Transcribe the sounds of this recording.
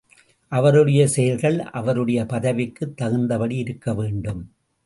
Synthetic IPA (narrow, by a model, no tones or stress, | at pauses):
ʔɐʋɐɾɯɽɐjɐsɛjɐlɣɐɭʔɐ̰ʋɐɾɯɽɐjɐpɐðɐʋɪkːɯt̪ːɐɣɯnd̪ɐpɐɽiɪɾɯkːɐʋeːɳɖɯm